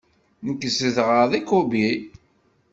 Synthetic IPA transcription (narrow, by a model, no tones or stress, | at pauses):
nəkːəsəθʁəðikʊbi